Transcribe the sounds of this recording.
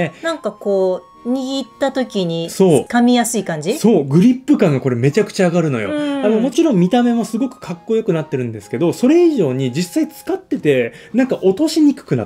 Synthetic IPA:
enãŋkako̞ː | ɲ̟iɡʲit̪ːat̪o̞kʲiɲ̟iso̞ːkamʲijasɨiːkãɲ̟d͡ʑiso̞ːɡɯ̟ɾʲipːɯ̟kãŋɡako̞ɾe̞me̞t͡ɕakɯ̟̥t͡ɕaːɡaɾɯ̟no̞jo̞̰ano̞mo̞t͡ɕiɾõmmʲit̪ame̞mo̞sɨɡo̞kɯ̟̥kʰakːo̞jo̞kɯ̟nat̪ːe̞ɾɯ̟̃nd̪e̞sɨ̥ke̞d̪o̞so̞ɾe̞iʑo̞ːɲ̟id͡ʑisːait͡sɨ̥kat̪ːe̞t̪e̞nãŋkaʔo̞t̪o̞ɕiɲ̟ikɯ̟̥kɯ̟na̰

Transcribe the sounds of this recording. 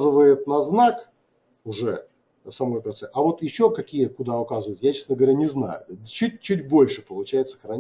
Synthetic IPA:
zɨvəjɪt̪nɐznak | ʊʐɛ̰ | sɐmo̞jpɾɐt̪sɛʔɐvo̞t̪jɪɕːokɐkʲijəkʊd̪aʊkazɨvəjɪt̪jat͡ɕesnəɡəvɐɾʲanʲɪzna̰jʊ̰t̪t͡ɕːut̚ʲt͡ɕːʉtʲbo̞lʲʂɨpəlˠʊt͡ɕæjɪt̪səxɾɐ

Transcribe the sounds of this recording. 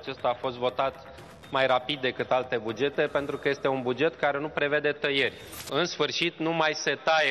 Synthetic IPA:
t͡ʃe̞st̪aːfo̞st̪vo̞t̪at̪ | majɾapid̪̚ːe̞kɨt̪alt̪e̞bud͡ʒe̞t̪e̞pe̞nt̪ɾukəjest̪e̞unbud͡ʒe̞t̪kaɾe̞nupɾe̞ve̞d̪e̞t̪əje̞rʲ | ɨnsfɨrʃit̪numajse̞t̪aje

